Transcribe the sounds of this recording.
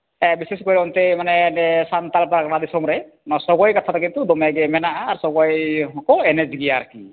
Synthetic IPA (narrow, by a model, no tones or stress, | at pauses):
ɛbiseskɔɾiɔnt̪ɛmanɛsant̪alpɾaknad̪isɔmɾɛ | nɔsɔɡɔjkɔt̪ʰat̪ak̬int̪ud̪ɔmaɡɛmɛnaʔaːɾsɔɡɔjkɔɛned͡ʒɡijaɾki